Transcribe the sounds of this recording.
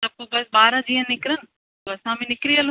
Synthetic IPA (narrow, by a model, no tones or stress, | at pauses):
t̪ɐb̚kobɐsɓaːɾãd͡ʑiːə̃nnɪkɪɾən̆ | toɐsãːmĩnɪkɾiəl